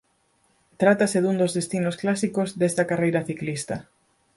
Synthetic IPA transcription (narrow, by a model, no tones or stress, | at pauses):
t̪ɾat̪aseðund̪ozðest̪inosklasikozd̪est̪ɐkarejɾɐθiklist̪ɐ